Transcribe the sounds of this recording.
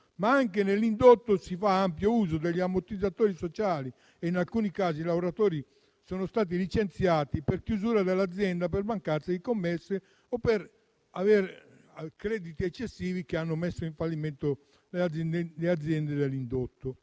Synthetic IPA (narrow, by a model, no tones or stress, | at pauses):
maaŋkenelːind̪ot̪ːosifaampjouːzod̪eʎːiamːot̪id̪ːat̪oːɾisot͡ʃaːli | einalkuːnikaːziːlaoɾat̪oːɾi | sɔːnost̪aːt̪̬ilit͡ʃent̪sjaːt̪ipeɾkjuzuːɾad̪elːad̪zːjɛnd̪ap̬eɾvaŋkat̪sːaikomːɛsːe | ɔpːeɾ | aveɾ | kɾɛːd̪it̪iɛt͡ʃːesːiːvikeanːomesːoiɱfalːiment̪o | leaɛlead̪zːjɛnd̪ed̪elːind̪ot̪ːo